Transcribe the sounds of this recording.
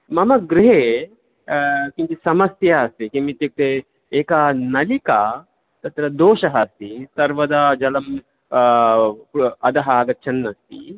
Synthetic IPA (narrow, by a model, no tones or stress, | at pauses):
mɐmɐɡɾɪɦeː | kint̪isɐmɐsjaːst̪ikimit̪juk̚t̪eː | eːkanɐlika | t̪ɐt̪ɾɐd̪oːʃɐɦɐst̪isɐɾʋɐd̪ad͡ʒɐlɐm | ɐd̪ɐɦaːɡɐt͡ʃʰɐnːɐst̪ḭ